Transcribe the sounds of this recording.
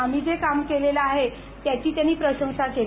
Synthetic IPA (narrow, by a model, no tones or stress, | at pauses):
am̤iːd͡zekamkelelaaɦe | t̪ːjat͡ɕiːt̪janːiːpɾəɕə̃w̃sake